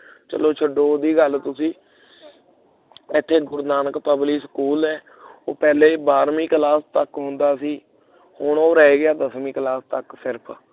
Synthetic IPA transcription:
t͡ʃə̰loːt͡ʃʰəɖoːd̪iːɡəlt̪ʊsĩː | ɪt̪ʰːeːɡʊɾnaːnəkpəbliːsəkuːlɛː | oːpɛːleːbaːɾmĩːkəlaːst̪əkɦʊ̃nd̪aːsĩː | hʊɳoːɾɛːeːɡɪjaːd̪əsmĩːkəlaːst̪əksɪɾpʰ

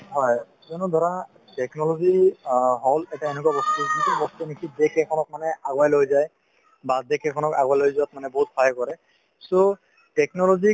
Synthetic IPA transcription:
ɦɔj | zɔnudʱɔɹa | tɛknɔlɔziɦɔlɛtaenek̬uwabɔstuitubɔst̪unikʰidɛkʰɛkʰɔnɔk̚manɛaɡwajlojzaj | badɛkʰɛkʰɔnɔkaɡwajlojzuatmanɛboɦut̚pʰajkɔɹɛ | so | tɛknɔlɔzi

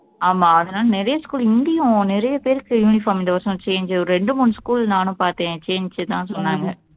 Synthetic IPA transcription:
aːmaːɐðɐnaːlɐnɪɾɐjɐskuːlɪnd̪ɪjʊ̃nɪɾɐjɐpeːɾɯkːɯjuːnɪfaːmɪnd̪ɐʋɐɾsɔ̃t͡ʃeːɲd͡ʒɔɾɯɾɛɳɖɯmuːnɯskuːlnaːnʊ̃paːɾt̪ẽːt͡ʃeːɲd͡ʒt̪ãːsɔnːaːŋɡɐ

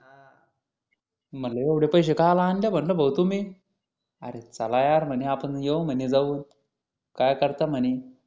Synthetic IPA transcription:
m̤əlaeʋɽepəjɕ̬ekalaːnljabʱəɳləbʱəwt̪umi | a̰ɾet͡salajaɾm̤əneapənjewm̤əned͡zaʋuːn | kajkəɾt̪am̤əni

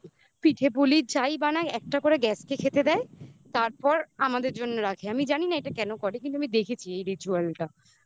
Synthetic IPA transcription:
piʈʰepulit͡ɕajbanaɛk̚ʈakoɾeɡɛskekʰet̪ed̪ɛet̪aɾpɔɾamad̪eɾd͡ʑonːoɾakʰeamid͡ʑaninaeʈakɛnokɔɾekint̪uamid̪ekʰet͡ɕʰiejɾit͡ɕualʈa

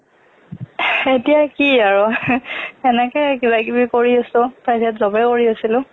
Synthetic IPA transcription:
etijakiaɹʊ | ɛnɛkɛkibakibikoɹiosʊpɹajzatzɔbɛkoɹiosilʊ̃

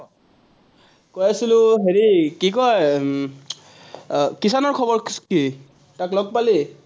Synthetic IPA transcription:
kojasilʊ̃ɦeɹikikɔj | kisanɔɹkʰɔbɔɹki | taklɔɡ̚pali

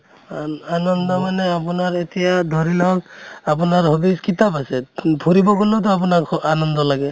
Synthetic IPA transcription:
anɔnd̪ɔmanɛap̬unaɹet̪ijad̪ʱɔɹilawap̬unaɹhɔbiskit̪apasɛpʰuɾibɔkunɔt̬ɔap̬unakanɔnd̪ɔlaɡɛ

